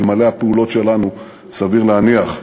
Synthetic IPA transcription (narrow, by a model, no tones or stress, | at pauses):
lmalehapeulo̞tʃe̞lanu | saviʁleaniaχ